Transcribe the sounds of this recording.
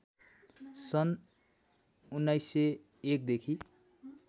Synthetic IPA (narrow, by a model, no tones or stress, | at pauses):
sʌn | unːajsːe | ek̚d̪ekʰi